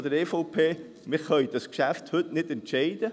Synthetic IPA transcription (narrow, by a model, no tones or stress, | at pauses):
d̥əɾeːfoʊpʰeː | mɪʁχœʏd̥ɑskʃæfthɵtnɪdɛntʃɛɪd̥ə